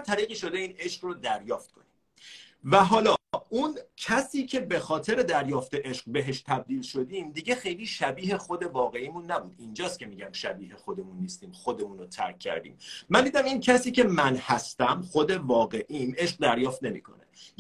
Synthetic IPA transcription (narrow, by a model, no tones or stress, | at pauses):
t̪ʰæɾiːɣiːʃo̞d̪e̞iːne̞ʃqrod̪æɾjɒːft̪̚kʰonim | væɦɒːlɒːʔuncʰæsiːcʰe̞be̞xɒːt̪ʰe̞ɾe̞d̪æɾjɒːft̪eʔeʃqbe̞ɦeʃt̪ʰæb̚d̪iːlʃo̞d̪iːmd̪iɟe̞xe̞jliːʃæbiːɦe̞xo̞d̪e̞vɒːɣe̞iːmunːæbuːd̪̥ind͡ʒɒːst̪cʰʲe̞miːɟæmʃæbiːhe̞xo̞d̪e̞munːiːst̪iːmxo̞d̪emuːnot̪ʰæ̰ɾkʰːæ̰ɾd̪ḭːmːænd̪iːd̪æmincʰæsiːce̞mænhæst̪æmxo̞d̪e̞vɒːɣe̞ʔime̞ʃq̚d̪æɾjɒːft̪ne̞mḭːkʰo̞̰nḛ